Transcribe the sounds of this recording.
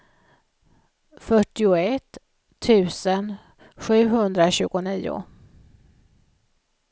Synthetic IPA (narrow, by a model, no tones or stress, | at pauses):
fœʈːɪʊɛt̪ʰː | ʉ̟ːsən | ɧʉ̟ːɦɵnd̪ɾaɕʉ̟ːɡʊniːʊ̰